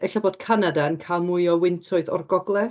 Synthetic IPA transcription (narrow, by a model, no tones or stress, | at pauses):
ɛɬaboːd̥kʰanadankʰalˠmʊjɔwɪntʰʊɨθɔ̰rɡɔɡlˠɛ